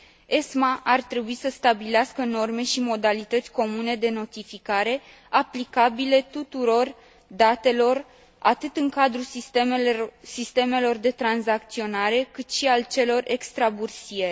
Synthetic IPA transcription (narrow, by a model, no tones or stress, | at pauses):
esmaʔart̪ɾe̞buisəst̪abileaskəno̞rme̞ʃimo̞d̪alit̪ət̪sʲko̞mune̞d̪e̞no̞t̪ifikaɾe̞ | aplikabile̞t̪ut̪uɾo̞r | d̪at̪e̞lo̞r | at̪ɨt̪ɨŋkad̪ɾu | sist̪e̞me̞lo̞rd̪e̞t̪ɾanzak̚t̪sio̞naɾe̞kɨt̪ʃialt͡ʃe̞lo̞re̞kst̪ɾabursie